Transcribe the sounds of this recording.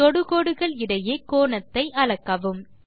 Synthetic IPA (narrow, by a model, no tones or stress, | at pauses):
ɔɽɯɣoːɽɯɣɐɭɪɽɐjeːkoːɳɐt̪ːɐɪʔɐɭɐkːɐʋɯm